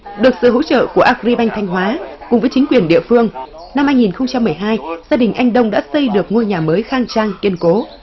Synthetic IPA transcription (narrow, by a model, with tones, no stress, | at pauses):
ɗɨ˨˩ək̚sɨ̰˧˨ɦo̰˧˥t͡ɕə̰ː˧˨ku˧˩əʔaː˧˥˩k̚ɾi˧ɓa˧jŋ̟t̪ʰa˧jŋ̟ɦwaː˨˦kʊ̰˨ŋ͡mvəː˨˦jt͡ɕi˨˦ŋkwi˨˩ənɗḭ˧˨əfɨ˧əŋ | na˧mhaː˧jŋi˨˩nxə˧wŋ͡mt͡ɕa˧mːɨ˨˩əjɦaː˧jzaː˧ɗï˨˩ŋ̟ʔa˧jŋ̟ɗə˧wŋ͡mɗa̰ː˧˥sə˧jɗɨ˨˩ək̚ŋu˧jɲaː˨˩məː˨˦jxaː˧ŋt͡ɕaː˧ŋki˧ənko˨˦